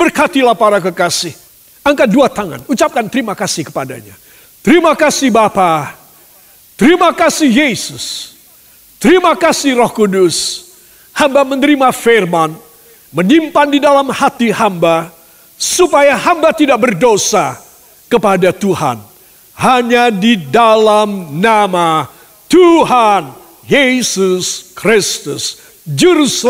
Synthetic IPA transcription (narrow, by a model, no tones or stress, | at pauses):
b̥ərkat̪ilahpaɾakəkasɪh | əŋkat̪̚duat̪aŋa̰nut͡ʃap̚kant̪ɾimakasihkə̥pada̰ɲa̰ | t̪əɾimakasibapa | t̪əɾimakasihjesʊs | t̪əɾimakasirɔhkudʊs | hambamənəɾimaferman | mənimpandidalamhat̪ihamba | supajaɦambat̪idaʔ̚bərdosa | kəpadat̪uha̰n | haɲadidalamnama | t̪uɦan | jesuskɾɪst̪us | d͡ʒəɾus